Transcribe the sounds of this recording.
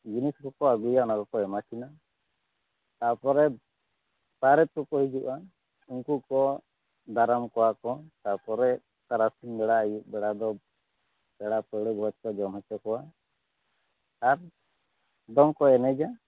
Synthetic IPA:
d͡ʒiniskɔkɔaɡujaɔnaɡɔkɔɛmakʰina | t̪apɔɾɛ | taɾɛt̪̚kɔkɔɦid͡ʒuʔa | uŋkukɔ | d̪aɾamkɔwakɔt̪apɔɾɛ | t̪aɾasinbɛɽaɛjuʔ̚bɛɽad̪ɔ | b̥ɛɽapəɽɔɡwat͡ʃkɔd͡ʒɔmɔt͡ʃɔkɔwa | ɾ | d̪ɔŋkɔɛnɛd͡ʒa

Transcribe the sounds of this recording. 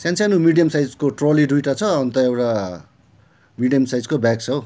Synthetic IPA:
sjãnt͡sʰanumiɖijʌmsajd͡zkoʈroliɖujʈʌt͡sʰʌːnt̪ʌewʈa | miɖijʌmsajd͡zkobak̚t͡sʰʌw

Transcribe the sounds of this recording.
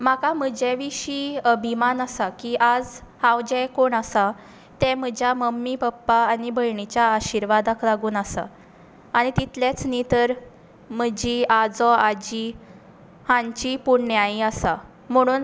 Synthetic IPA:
m̤akam̤əd͡ʑɛʋiɕiːəbʱimanəsakiːʔad͡zhãwd͡ʑɛjkoɳəsa | t̪ɛ̃m̤əd͡ʑʱjaməmːipəpːaːnibʱəjɳit͡ɕjaːɕiɾʋad̪aklaɡuːnəsa̰ | aɽ̃it̪it̪ljet͡snit̪əɾ | m̤əd͡ʑiːad͡zɔad͡ʑi | hãɲt͡ɕipuɽɳjaiasa | m̤əɽ̃uːn

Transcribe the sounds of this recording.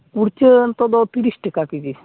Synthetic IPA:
kuɽt͡ʃənt̪ɔd̪ɔt̪iɾisʈekakid͡ʒi

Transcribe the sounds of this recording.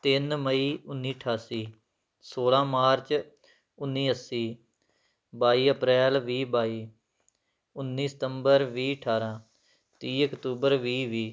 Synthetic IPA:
t̪ɪnməiːʊnːiːəʈʰaːsiː | soːlãːmaːɾt͡ʃ | ʊnːiːəsːiː | baːiːəpɾɛːlʋiːbaːiː | ʊnːiːsɪ̥t̪əmbəɾʋiːəʈʰaːɾãː | t̪iːəkt̪uːbəɾʋiːʋiː

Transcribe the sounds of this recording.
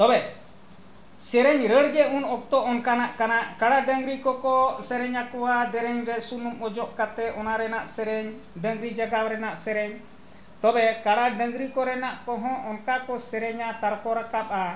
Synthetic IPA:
t̪ɔbɛ | sɛɾɛɲɾəɽɡɛunɔk̚t̪ɔʔɔnkanaʔkanaʔkaɽaɖəŋɡɾikɔkɔsɛɾɛɲakɔwad̪ɛɾɛɲɾɛsunumɔd͡ʒɔʔkat̪ɛʔɔnaɾɛnaʔsɛɾɛɲ | ɖə̃ŋɡɾid͡ʒaɡawɾɛnaʔsɛɾɛɲ | t̪ɔbɛkaɽaɖəŋɡɾikɔɾɛnaʔkɔ̃ɦɔ̃ʔɔnkakɔsɛɾɛɲat̪aɾkɔɾakap̚a

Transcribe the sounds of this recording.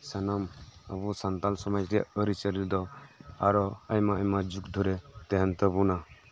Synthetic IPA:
sanama̰busant̪alsɔmajɾɛja̰əɾit͡ʃəlild̪ɔaɾɔajmaəjmad͡ʒukd̪ʱuɾɛt̪ɛɦɛnt̪əbuna

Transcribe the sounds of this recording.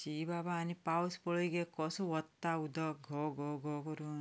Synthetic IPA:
t͡ʃibabaːnipawspɔɭɔjɡekɔsuʋɔt̪ːaud̪ɔkɡʱɔɡʱɔɡʱɔkɔɾu

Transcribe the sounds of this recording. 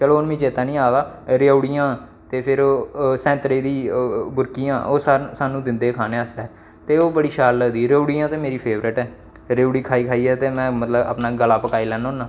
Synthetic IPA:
t͡ʃəloːʊnmĩːt͡ʃeːt̪aːnĩːaːɡaːɾeuɽijãː | t̪eːpʰɪɾoːsɛ̃ːnt̪ɾeːd̪iːbʊɾkijãːʔoːsasaːnũːd̪ɪnd̪eːkʰaːneːəsɛː | t̪eːoːbəɽiːʃaːlːəd̪iːɾuɽiːjãːt̪eːmeːɾiːpʰeːʋɾəʈɛː | ɾeːuɽiːkʰaːiːkʰaːiːɛːt̪eːmɛ̃ːmət̪ləbə̰pnaːɡəlaːpəkaːiːlɛːnõːnːaː

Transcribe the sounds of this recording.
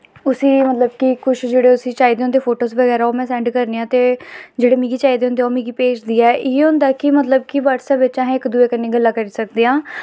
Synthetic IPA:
ʊsiːmət̪ləb̚kɪkʊʃd͡ʒeːɽeːʊsiːt͡ʃaːiːd̪eːõnd̪eːpʰoːʈoːsʋəɡɛːɾaːoːmɛ̃ːsɛ̃ːɳɖkəɾneːãːt̪eːd͡ʒeːɽeːmiːɡiːt͡ʃaːiːd̪eːõʊnd̪eːoːmĩːɡiːpeːt͡ʃd̪iːɛːʔɪeʊ̃nd̪aːkɪmət̪ləbkɪʋaːʈsãːbɪt͡ʃãːɦɛ̃ɪkd̪ueːkənːiːɡəlːaːkəɾiːsəkd̪eːãː

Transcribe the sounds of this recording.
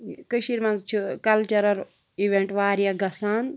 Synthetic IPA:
kɨʃiɾmɐnzt͡ʃʰukɐlt͡ʃɐɾɐɾ | iʋeɳʈʋaːɾijaɡɐsaːn

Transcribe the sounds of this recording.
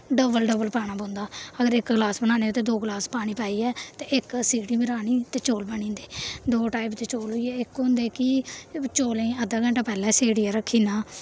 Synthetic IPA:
ɖəbəlɖəbəlpaːñãːbõːnd̪aːəɡəɾɪkɡlaːsbəɽaːneot̪eːd̪oːɡlaːspaːɽ̃iːpaːiːɛːt̪eːɪksiːɽiːbɪɾaːniːt̪eːt͡ʃoːlbəɳĩːnd̪eːd̪oːʈaːɪpt̪eːt͡ʃoːlɦoiɛːɪkɦõːnd̪eːkɪt͡ʃoːlẽːəd̪aːɡə̃ɳʈaːpɛːlɛ̃ːseːɽiːaːɾəkʰːiːnaː

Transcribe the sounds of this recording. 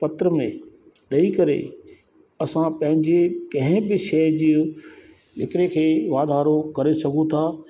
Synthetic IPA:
pɐt̪ɾəmḛ̃ | ɗɐikɐɾḛ | ɐsãpɐ̃ɦɪ̃ɲd͡ʑekɐ̃ɦɪ̃bɪʃɛːd͡ʑiːõ | ɪkɪɾekʰeːʋaːd̪ʱaːɾokɐɾesɐɡʱũt̪ʰaː

